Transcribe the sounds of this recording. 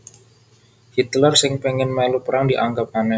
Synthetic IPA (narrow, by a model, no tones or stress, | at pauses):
hit̪lərsɪŋpeŋɪnmɛlupəɾaŋdiʔaŋɡap̚hanɛ